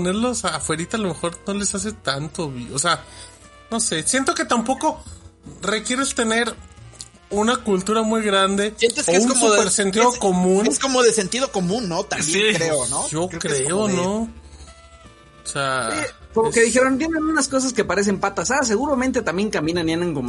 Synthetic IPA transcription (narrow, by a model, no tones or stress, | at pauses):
oneɾlosafwe̞ɾit̪alo̞me̞xo̞ɾno̞le̞sas̬e̞t̪ant̪oβiosea | no̞se̞sje̞nt̪o̞ket̪ampo̞ko̞ | re̞kje̞ɾe̞st̪e̞ne̞ɾ | unakult̪uɾamujɣɾand̪e̞jent̪eskoeunsupeɾsent̪̬iðoko̞mũnskomoðesent̪iðokomũnːot̪ambsjiɾeonod͡ʒo̞kɾeono | seakomokeðixe̞ɾo̞nt̪jenenunasko̞s̬aske̞paɾe̞s̬e̞mpat̪asas̬e̞ɣuɾamẽnt̪e̞t̪ambje̞ŋkambje̞nanjaneŋkom